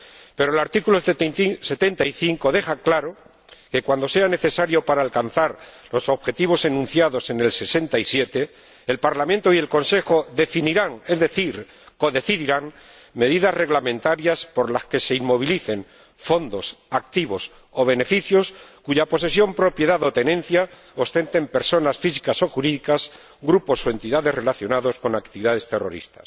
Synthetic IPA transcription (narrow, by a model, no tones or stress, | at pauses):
pe̞ɾoelaɾt̪ikulose̞t̪e̞nt̪aiθiŋko̞ðe̞xaklaɾo̞ | ke̞kwand̪o̞se̞ane̞θe̞saɾjo̞paɾaːlkanθaɾlo̞so̞βxe̞t̪iβ̞o̞se̞nũn̟θjaðo̞se̞ne̞lse̞se̞nt̪aisje̞t̪e̞ː | lpaɾlamẽnt̪o̞ie̞lko̞nse̞xo̞ðefiniɾaŋe̞zðe̞θiɾ | ko̞ðe̞θiðiɾaŋ | me̞ðiðazre̞ɣlamẽnt̪aɾjaspo̞ɾlaske̞se̞immo̞β̞iliθe̞ŋ | fo̞nd̪o̞sakt̪iβo̞s | o̞β̞e̞nefiθjo̞skuʝapo̞se̞sjo̞mpɾo̞pje̞ðaðo̞t̪e̞nẽ̞n̟θja | o̞st̪e̞nt̪e̞mpe̞ɾso̞nasfisi̥kaso̞xuɾiðikas | ɡɾupo̞so̞e̞nt̪iðaðe̞zre̞laθjo̞naðo̞sko̞nak̚t̪iβiðaðe̞st̪e̞ro̞̰ɾḭst̪ḁs